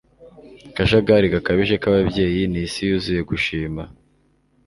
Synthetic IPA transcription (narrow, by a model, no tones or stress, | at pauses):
kaʃaɡaɾiɡakaβiʒe̞kaβabje̞ːjinisijuzije̞ɡuʃiːma